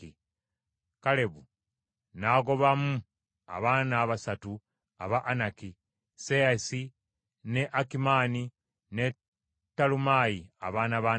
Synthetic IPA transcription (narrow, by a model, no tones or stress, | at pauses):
i | kale̞βu | naɡo̞βamu | a̰βaːnaːβasatu | a̰βaʔːnaki | seasi | ne̞ʔakimaːni | ne | tːalumajia̰βaːnaβaː